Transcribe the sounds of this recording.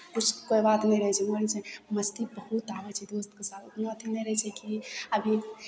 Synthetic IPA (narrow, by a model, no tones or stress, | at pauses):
kut͡ʃʰkoibat̪nɛjɾəɦɛt͡ʃʰɛmoɾlt͡ʃʰɛməst̪ibəhut̪abɛt͡ʃʰɛd̪ost̪̚kesalut̪nat̪ʰinɛjɾəɦt͡ʃʰɛkiəbʱi